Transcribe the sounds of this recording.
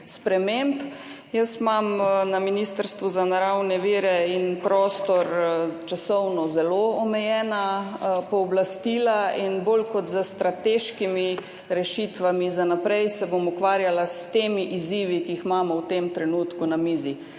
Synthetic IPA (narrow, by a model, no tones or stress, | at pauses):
spɾɛmemp | jəsmamnaminist̪əɾst̪ʋuzanaɾawnɛʋiːɾɛinpɾɔːst̪ɔɾt͡ʃasɔwnɔzɛloɔmɛjɛːnapɔɔblast̪iːlainboːlkɔt̪zəst̪ɾat̪eːʃkimi | ɾɛʃit̪ʋamizanapɾɛjsɛbomukʋaːɾjalast̪eːmiʔiziːʋikiixmamɔwt̪emt̪ɾɛnut̪kunamiːzi